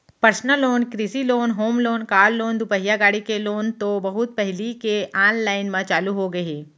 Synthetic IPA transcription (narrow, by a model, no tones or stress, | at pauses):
pɐɾsnəloːnkɾisiloːnɦoːmloːnkaːlːoːnd̪ʊpəɦijaɡaːɽikeloːnt̪obɐɦʊt̪̚pɛɦlikeʔaːnlaːɪnmãt͡ʃaːluɦoɡɐeː